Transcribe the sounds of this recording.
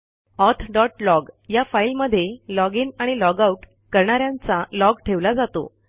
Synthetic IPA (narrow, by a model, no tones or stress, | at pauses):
ɔt̪ʰɖɔʈlɔɡjafailməd̪ʱːjelɔɡiːnaɽ̃ilɔɡauʈ | kəɾɳaɾjãnt͡salɔɡʈʰeʋlad͡zat̪o̰